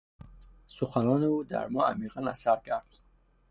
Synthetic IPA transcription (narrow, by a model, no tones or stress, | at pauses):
suχanɔːneud̪a̰ɾmɔa̰miʁana̰saɾɡaɾd̪